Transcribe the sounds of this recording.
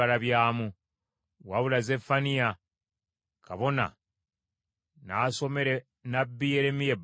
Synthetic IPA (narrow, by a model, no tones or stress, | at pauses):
alaβjaːmu | waβulaze̞fanija | ka̰βo̞na̰ | naːso̞me̞ɾe | nabːijeɾemije̞b